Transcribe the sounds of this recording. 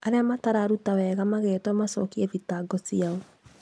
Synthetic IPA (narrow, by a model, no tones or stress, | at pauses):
aɾeamataɾaɾutawɛɣamaɣeːtwamasɔkiɛvitaɡɔsiaɔ